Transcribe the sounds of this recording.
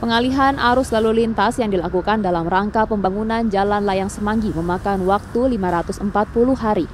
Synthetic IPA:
pəŋaliɦanʔaɾʊslalulint̪asjaŋdilakukandalamraŋkapəmbaŋunand͡ʒalanlajaŋsəmaŋɡiməmakanwak̚t̪ulimaɾat̪ʊsəmpat̪̚pulʊhɦaɾi

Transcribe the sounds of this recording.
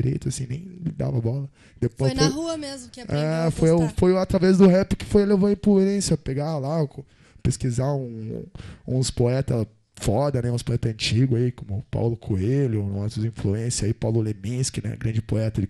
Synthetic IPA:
ɾḛjt̪ʊasĩnẽj̃d̪a̰vɐbɔlɐ | d̪epojsjfojuɐmezmʊɛfojjfojʊat̪ɾavɛzd̪ʊɦɛpɪkɪ̥fojɐlevɐĩpluẽsɪɐpeɡalak | peskizaũ | ũspoɛt̪ɐ | fɔd̪ɐnɛũspoɛt̪ɐɐ̃t͡ʃiɡʊaikõmʊpa̰wlʊkʰoelʊoñɐsuĩfluẽsɪaipawlʊlemĩskɪnɛ̰ɡɾɐ̃d͡ʒɪpoɛt̪ɐd͡ʒɪ

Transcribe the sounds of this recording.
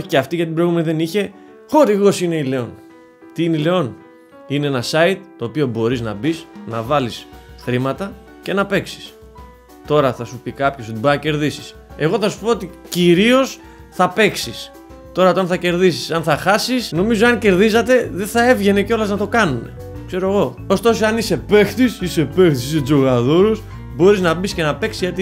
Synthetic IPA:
oçiceɐft̪iʝɐt̪ibɾojɣume̞niðe̞niçe̞ | xo̞ɾiɣo̞sine̞ile̞o̞n | t̪iineile̞o̞n | ineenɐsɐit̪ːo̞ːpio̞bo̞ɾiznɐ̰bisnɐvɐlisxɾimɐt̪ɐ | ce̞nɐpe̞ksi̥s | t̪o̞ɾɐθɐsupikɐpço̞sot̪ibɐɐce̞ɾðisi̥s | e̞ɣo̞θɐsu̥po̞ot̪iciɾio̞s | θɐpe̞ksis | t̪o̞ɾɐt̪oɐnθɐce̞ɾðisi̥sɐnθɐxɐsisno̞mizoɐnce̞ɾðis̬ɐt̪e̞ðeθɐe̞vʝe̞ne̞co̞lɐznɐt̪o̞kɐnune̞̰ | kse̞ɾo̞eɣo̞ | ost̪o̞soɐnise̞pe̞xθisise̞pe̞xθisised͡zo̞ɣaðo̞ɾus | bo̞ɾiznɐbisce̞nɐpe̞ksizʝɐt̪i

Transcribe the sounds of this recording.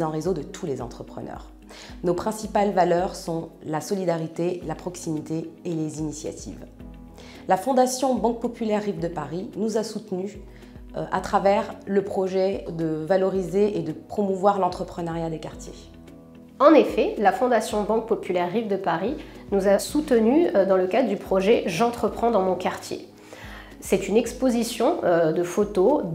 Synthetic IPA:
ɑ̃ʁezod̪ət̪ʰulezɑ̰̃t̪χəpχə̰nœ̰ʁ | nopχɛ̃sipalvalœʁsɔ̃lasɔlid̪aʁit̪elapχɔksimit̪eelezinisja̰t̪ʰḭv | lafɔ̃d̪asjɔ̃bɑ̃k̚pɔpylɛʁːivd̪əpaʁinuzasut̪ny | ʔa̰t̪χavɛʁləpχɔʒɛd̪əvalɔʁizeʔed̪əpχɔmuvwaʁlɑ̃t̪χəpχənaʁjad̪ekaʁt̪jḛ | ɑ̃nefɛlafɔ̃d̪asjɔ̃bɑ̃k̚pɔpylɛʁːivd̪əpaʁinuzasut̪ənyd̪ɑ̃ləkad̪ʁəd̪ypχɔʒɛʒɑ̃t̪χəpχɑ̃d̪ɑ̃mɔ̃kaʁt̪jḛ | sɛt̪ynɛkspozisjɔ̃d̪əfot̪o

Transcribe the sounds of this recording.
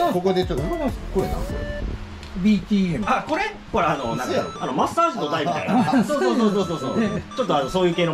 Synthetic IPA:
kokod̪et͡ɕot̪ːokkoɾenã̰so̰ɾḛ | bʲit̪ʲiːemako̞ɾe | koɾeanonãkano̞masɨ̥t̪aːsɨd̪od̪aimiajnsoːsoːsoːsoːsoːsoːt͡ɕo̞t̪ːoanoso̞ːjɯ̟ːkeːno

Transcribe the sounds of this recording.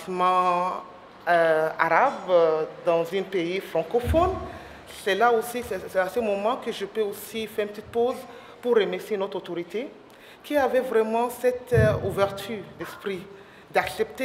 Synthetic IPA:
smɑ̃ | øa̰ʁabd̪ɑ̃zỹnpeifχʁɑ̃kofɔn | sɛlaosisɛsɛasəmɔmɑ̃kəʒəpøosifɛʁ̃ĩnpət̪it̪̚poz | puʁːəmɛʁsienɔt̪χot̪oʁit̪e | kʲiavɛvʁɛmɑ̃sɛt̪uvɛʁt̪ʰyd̪ɛspχi | d̪aksɛp̚t̪e

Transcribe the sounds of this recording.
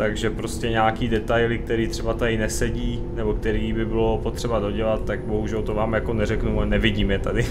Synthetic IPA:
t̪aɡʒɛpɾo̞scɛɲaːkiːdɛt̪ajlɪk̚t̪ɛɾiːt̪r̝̥ɛbat̪adɪnɛsɛɟiː | nɛbo̞kt̪ɛɾiːbɪbɪlo̞po̞t̪r̥ɛbado̞ɟɛlat̪ːaɡ̚bo̞ɦuʒɛlt̪ovaːmjako̞nɛɾɛknuanɛvɪɟiːmjɛt̪adɪ

